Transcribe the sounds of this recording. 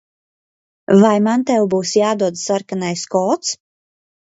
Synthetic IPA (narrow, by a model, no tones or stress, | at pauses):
vajmant̪ɛwbuːsjaːd̪uɔd̪saɾkanajskɔːt̪s